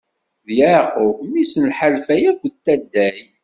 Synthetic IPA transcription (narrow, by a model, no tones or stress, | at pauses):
ðjæqomisənħalfæjækʷt̪ːæd̪ːæi